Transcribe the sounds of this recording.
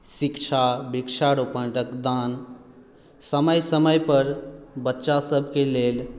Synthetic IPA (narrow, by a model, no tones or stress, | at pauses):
sikt͡ʃʰabikt͡ʃʰaɾupənɾəkd̪an | səməjsəməjpəɾbətːʃasəbʱkelel